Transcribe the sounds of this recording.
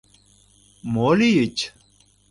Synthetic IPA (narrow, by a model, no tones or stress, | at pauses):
moːlijit͡ɕ